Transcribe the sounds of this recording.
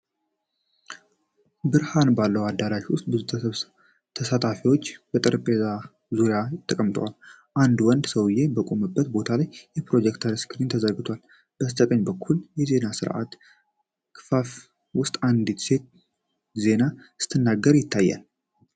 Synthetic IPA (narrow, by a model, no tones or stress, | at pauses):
bɨɾhanbalːəwad̪ːaɾaʃwʊst̪̚ʼbɨzut̪ʰβ | t̪ʰəsat̪ʰafiwo̞t͡ʃːb̥ət̪ʼɨɾɨpʼeza | zuɾjajt̪ʼːəkʼəmt̪ʼwa̰l | ʔand̪wɔnd̪səwjːe̞bəkʼo̞mɨbːət̪bo̞t̪ʰalajjɛpɾo̞d͡ʒɛkt̪ʰəɾskʰɨɾint̪ʰəzəɡɨt̪ʰwal | b̥əst̪ʼək̪ʼəɲbəkʰːuljɛze̞nasɨɾʔa̰t̪ | kʰɨfaf | wʊst̪ʼand̪it̪se̞t̪ | ze̞nasɨ̥t̪ʰɨnːaɡəɾjɪt̪ʰːajːa̰l